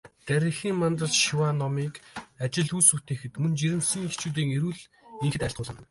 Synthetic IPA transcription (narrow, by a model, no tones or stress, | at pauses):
t̪æɾʲĭxiːŋmant̪rə̆ɮʃiwanɔmiːkat͡ɕɪ̆ɮujsut̪eːxɘ̆t̪mɵnt͡ɕiɾɘ̆msĭːŋixt͡ɕuːt̪̬iːŋeɾuːɮ | iŋxɘ̆t̪æɬt̪ɢʊːɮə̆n